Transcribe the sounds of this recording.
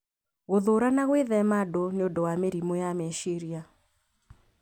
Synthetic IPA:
ɣoðoɾanaɣweðɛmadoneondowameɾimojameʃiɾja

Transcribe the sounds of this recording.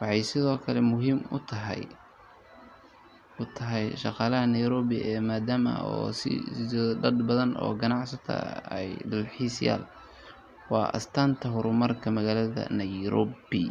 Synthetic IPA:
wɑħɑjsɪðɔːkʰɐlɛmʊɦiːmʊt̪ʰɐɦ | ʊt̪ʰɐɦɛjʃɑqɑːlɐɦɐnɐjɾɔːβɪʔɛːmaːd̪aːmɐ̰ɔːsɪ̰ɔɖɐd̪bɐðɐnʔɔ̰ːɡɐnɑʕsɐt̪ʰɐ̰ɛ̰jɖɐlħiːsja̰ːl | wɑːʔɐ̰st̪ʰaːnt̪ʰɐɦʊɾʊmɐrkʰɐmɐɣaːlɐðɐ̰nɐjɾɔːbɪ

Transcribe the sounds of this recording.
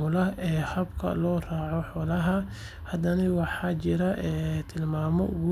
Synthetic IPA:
ʊlɐʔɛːhɐbkʰɐ̰lɔːraːʕɔħɔːlɐɦɐ | hɐd̪ɐnɪwɑħɑːt͡ʃɪɾɐʔɛːt̪ʰɪlmaːmɔʔʊɣʊ

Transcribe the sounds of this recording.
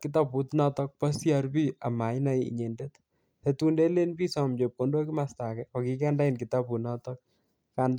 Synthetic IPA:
kɪtaput̪nɔtɔk̚pasjaɾbiamajnajḭɲendet̪ | het̪undelenpisɔmd͡ʒep̚kondokimastakɛɔkikɛndainkit̪apunɔt̪ɔk̚ | kan

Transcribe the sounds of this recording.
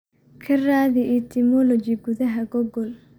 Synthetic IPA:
kʰɐraːðɪʔit̪ʰɪmɔlɔt͡ʃɪɡʊðɐɦɐɡɔɡɔl

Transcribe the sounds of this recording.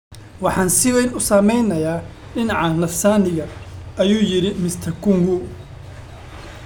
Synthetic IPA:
wɑħɑːnsɪwɛjnʊsamɛjnɐjaː | ɖɪnɑʕɑnɐfsaːnɪɣɐɐjuːjɪɾɪmɪst̪ʰɐkʰʊŋɡʊ

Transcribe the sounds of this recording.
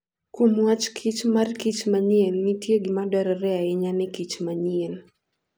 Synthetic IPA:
kumwat͡ʃkʰit͡ʃmarkit͡ʃmaɲiɛlnitjeɡimadɛɾɛɾɛaɪɲanɪkit͡ʃmaɲiel

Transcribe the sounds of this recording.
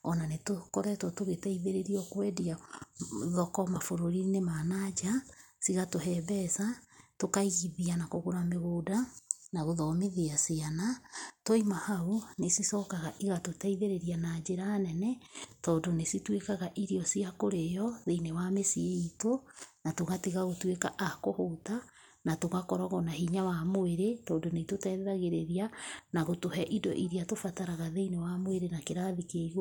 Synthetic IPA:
ɔnanetokɔɾɛtɔtoɣetaiðeɾeɾiɔkwɛːdia | ðɔkɔmafoɾoɾinemanad͡ʒasiɣatoɦɛːβɛsatokaiɣiðianakoɣoɾameɣoːdanaɣoðɔmiðiasianatoimahaunesisɔːkaɣaʔiɣatotaiðeɾeɾianad͡ʒeɾanɛnɛtɔːndonesitwekaɣaʔiɾiɔsiakoɾejɔðeinewamesieitonatoɣatiɣaɣotweka̰ʔakohota | natoɣakɔɾɔɣɔnaɦiɲawamoeɾetɔːndonetotɛðaɣeɾeɾianaɣotohɛʔidɔ̰ʔiɾiatofataɾaɣaðeinewamoeɾenakeɾaðikeɣ

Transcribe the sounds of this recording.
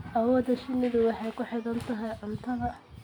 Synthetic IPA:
ʔɐwɔːd̪ɐʃɪnɪðʊwɑħɑjkʰʊħɪðɐnt̪ʰɐɦɐjʕʊnt̪ʰɐðɐ

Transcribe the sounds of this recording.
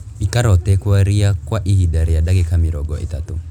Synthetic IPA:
ikaɾɔt̪ɛkwaɾiakwaʔihidaɾiadakikamiɾɔɡɔʔḭt̪atu

